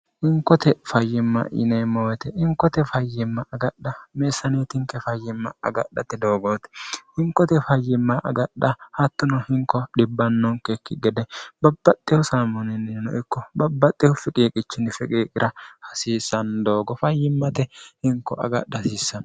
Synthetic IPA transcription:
ʔɪŋkːɔt̪ɛfɐjːɪmːɐ̰ɪ̰nɛjmːɐwɛt̪ɛʔɪŋkːɔt̪ɛfɐjːɪmːɐɐɡɐɗːɐmeːsːɐneːt̪ɪŋkɛfɐjːɪmːɐɐɡɐ̰ɗːɐt̪ɛd̪oːɡoːt̪ɛ̥hɪŋkːɔt̪ɛfɐjːɪmːɐʔɐ̰ɡɐɗːɐhɐt̪ːʊnɔhɪŋkːɔɗɪbːɐnːɔŋkɛkːɪɡɛd̪ɛb̥ɐb̥ːɐt̪ʼːɪjɔsaːmɔnɪnnɔ̰ʔɪkːɔbɐbːɐt̪ʼːɪhɔfɪkʼiːkʼɪt͡ʃːɪnɪfɪkʼiːkʼɪɾʔɐhɐsiːsɐnd̪oːɡɔfɐjːɪmːɐt̪ɛhɪŋkːɔʔɐ̰ɡɐ̰ɗːɐsiːsːɐn

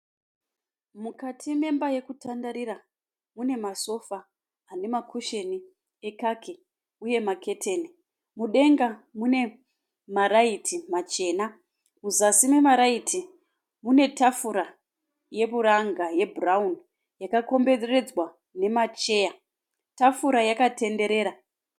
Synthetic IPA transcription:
mukatʰime̞mbaje̞kutandaɾiɾa | mune̞maso̞fa | ane̞makʰuʃe̞ni | e̞kakʰe | uje̞make̞tʰeːni | muɗe̞ŋɡamune̞ | maɾaitʰimat͡ʃe̞ːna | muzasime̞maɾaitʰi | mune̞tafuɾa | je̞βuɾaŋɡaje̞bʱuraun | jakako̞mbe̞rere̞d͡zwa | ne̞mat͡ʃe̞ːja | tafuɾajakate̞nde̞ɾe̞ːɾa

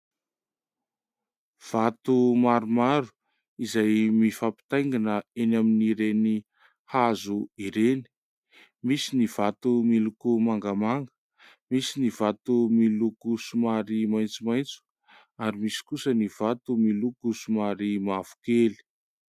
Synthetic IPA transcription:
v̥at̪umaɾumaɾu̥ | izajmifapi̥t̪ajŋɡinəenaminiɾeni | hazuiɾeni̥ | misiniv̥at̪umilukumaŋɡəmaŋɡə | misiniv̥at̪umilukusumaɾimajnt͡sumajnt͡su̥ | aɾimisi̥kusəniv̥at̪umilukusumaɾimav̥u̥keli̥

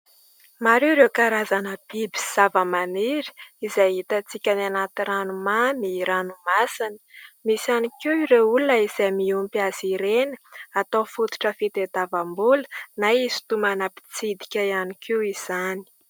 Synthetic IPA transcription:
maɾeɾewkaɾazanəb̥ibi̥z̥avəmaniɾi̥izajɦit̪at͡sikʲananat̪iranumamiɾanumasinə̥misanikiiɾeulunəizajmiumpiaziɾenə̥at̪ofut̪u̥ʈ͡ʂəfit̪ed̪avambulə̥naizi̥t̪umanapi̥t͡sid̪i̥kʲaianikiwiz̥ani̥

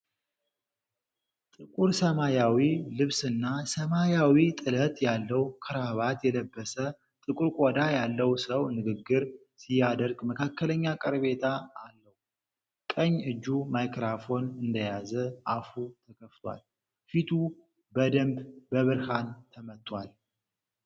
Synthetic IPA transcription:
t̪ʼɨkʼuɾsəmajawilɨβsɨnːasəmajawit̪ʼɨlət̪ʼjalːəwkʰɨɾaβat̪jɛləbːəsə | t̪ʼɨkʼuɾkʷʼod̪ajalːəwsəwnɨɡɨɡːɨɾ | sijːad̪əɾɡməkʰakːələɲːakʼɨɾβe̞t̪ʰaːlːəhu | kʼəɲːɨd͡ʒːumajkɾafo̞nɨnd̪əjazəʔafut̪ʰəkʰəft̪ʰwa̰l | fit̪ʰu | bəd̪əmbbəβɨɾhant̪ʰəmət̪ʼːwal

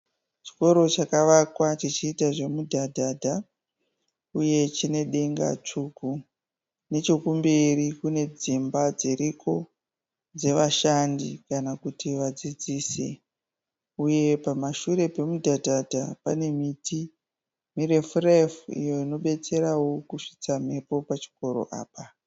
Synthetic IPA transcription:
t͡ʃi̥ko̞ɾo̞t͡ʃakaʋakwat͡ʃit͡ʃiːtaʐe̞mudʱadʱadʱa | uje̞t͡ʃine̞ɗe̞ŋɡa̰t͡ʂuɡʱu | ne̞t͡ʃokumberikune̞d͡zimbad͡ziɾiko̞ | d͡ze̞ʋaʃandikanakutiʋad͡zid͡ziːsḛ | uje̞pamaʃuɾe̞pe̞mudʱadʱadʱapane̞miti | mirefrefḭjo̞ino̞ɓe̞t͡se̞ɾawokuʂi̥t͡sam̤e̞po̞pat͡ʃi̥ko̞ɾo̞̰ʔa̰ːpa

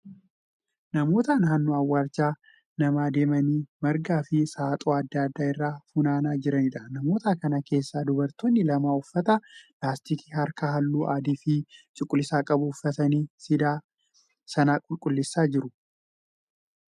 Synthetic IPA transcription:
nɐmo̞ːt̪aːnɦɐnːʊɐwːaːɾt͡ʃːaː | nɐmaːd̪e̞ːmɐniːmɐɾɡaːfɪsaːt̪ʼoːɐd̪ːaːɐd̪ːaːɪrːaːfunaːnaːd͡ʒɪɾɐnɪᶑ̪ɐnɐmo̞ːt̪akɐnɐke̞ːsːaːd̪ʊbɐɾt̪oːnːɪlɐmaːʊfːɐt̪ɐlaːst̪iːki̥ːhɐɾkɐɦɐlːuːʔaːd̪iːfɪt͡ʃʼʊkʼːʊlːɪsaːkʼɐbʊːfːɐt̪ɐniːsɪd̪aː | sɐnaːkʼʊlkʼʊlːɪsːaːd͡ʒɪɾʊ

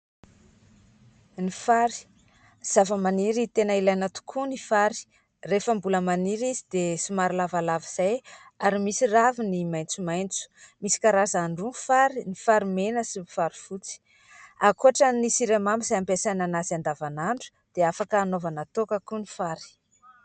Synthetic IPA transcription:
nifaɾi̥ | z̥avəmaniɾit̪enəilajnat̪u̥kʰunifaɾi̥ | refəmbuləmaniɾizid̪esumaɾilavalaviz̥ajaɾimisiravinimajnt͡sumajnt͡su̥misi̥kaɾazaɳɖ͡ʐunfaɾinifaɾimenəsimifaɾi̥fut͡si̥ | akuaʈ͡ʂənisiɾemambiz̥ajampesananazand̪avanaɳɖ͡ʐu̥ | d̪̥eafakəːnovanat̪okəkunifaɾi̥

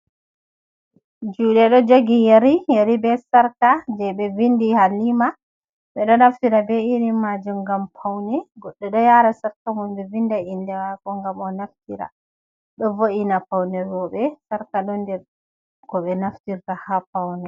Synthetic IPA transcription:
d͡ʒuːɗɛɗɔd͡ʒoɡijeɾijaɾibɛsaɾkad͡ʒɛɓɛvindihalima | ɓɛɗɔnaftiɾabɛiɾimad͡ʒumɡampʰawnɛɡɔɗːɛɗɔjaɾasaɾkamunbɛvindaindɛwakɔŋɡamɔnaftiɾa̰ | ɗɔvoʔinapawnɛɾwɔɓɛsaɾkaɗɔndɛɾ | kɔɓɛnaftiɾtahapawnɛ

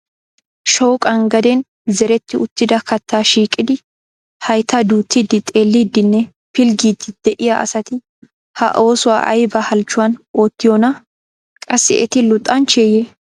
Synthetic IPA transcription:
ʃoːkʼɐŋɡɐd̪ɛn | zɛɾɛt̪ːɪʊt̪ːɪd̪ɐkɐt̪ːaːʃiːkʼːɪd̪ɪ | hɐjt̪ːɐd̪uːt̪ːiːd̪ɪt̪ʼe̞ːlːiːd̪ːɪnːɛ | pɪlɡiːd̪ɪd̪̥ɛʔɪjaʔɐ̰sɐt̪ɪ | hɐ̰ʔo̞ːsʊwa̰ːʔɐ̰jbɐhɐlt͡ʃːʊwɐnoːt̪ːɪjonɐ | kʼɐsːɪ̰ʔɛt̪ɪlʊt̪ʼːɐnt͡ʃeːje

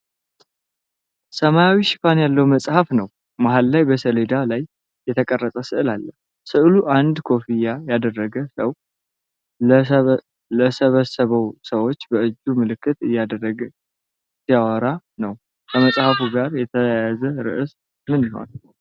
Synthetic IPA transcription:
səmajawiʃɪ̥fanjalːəwməsʼhafnəw | maɦalːajbəsəle̞d̪alajː | ɛt̪ʰəkʼərːət̪ʼəsɨʔɨlalːə | sɨʔluʔand̪kʰo̞fijajad̪ərːəɡəsəw | ləsəβəsəβəwsəwo̞t͡ʃːbəɨd͡ʒːumɨlɨkːɨt̪ɨjːad̪ərːəɡ | tijawəɾa | nəw | kʰəməsʼhafuɡaɾjɛt̪ʰəjazəɾɨ̰ʔɨs | mɨniho̰n

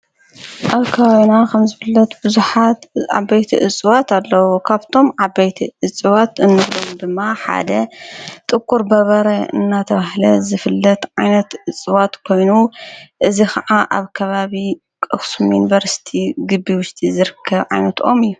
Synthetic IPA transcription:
ʔaβkʰɐβaβinakʰɐmzɨfɨlːɐt̪bɨzuħat̪a̰bɐjt̪ʰḭʔɨt͡sʼɨwat̪ʰalːɐwokʰaβt̪ʰo̞mʕabɐjt̪ʰiʔɨt͡sʼɨwat̪ɨnːɨβlomd̪ɨmːaħa̰d̪ɐt̪ʼɨkʼːuɾbɐβɐɾɐɨ̰nːat̪ʰɐβahlɐzɨfɨlːɐt̪ʕajnɐt̪ɨt͡sʼɨwat̪kʰo̞jnuʔɨzikʰɐʕaʔaβkʰɐβaβi | kʼɨxsumjunivɐɾsi̥t̪ʰiɡɨbːiwʊʃt̪ʰizɨɾɨkʰːɐβʕa̰jnɐt̪ʔo̞mɨjːu

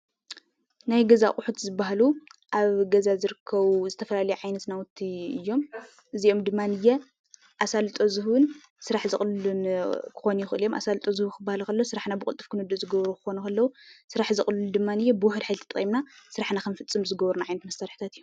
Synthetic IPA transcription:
najɡɐzakʼʊħut̪zɨbːaɦaluʔaβɡɐzazɨɾɨkʰːɐβuzɨt̪ʰɐfɐlalɐjuʕajnɐt̪nawʊt̪ʰːiɨjːo̞m | ʔɨzio̞md̪ɨmːanɨjːɛ | ʔasalt̪ʼo̞zɨhwɨn | sɨɾaħzɨxʼlɨlunkʰɨ̥xo̞njɪxɨʔɨljo̞mʔa̰salɨt̪ʼo̞zɨhukʰɨbːahlkʰɐlːowsɨɾaħnabɨkʼṵlt̪ʼːɨfkʰɨnɨd̪ːuzɨɡɐβɾukʰɨ̥xo̞nukʰɐlːɐwusɨɾaħzɨχʼlund̪ɨmːanɨjːɛbɨwʊħɨd̪ħajlt̪ʰɐt̪ʼχʼimnasɨɾaħnakʰɐnɨfɨt͡sʼɨmzɨɡɐβɾunaʕajnɐt̪mɐst̪ʰaɾħi̥t̪ʰat̪ɨjom

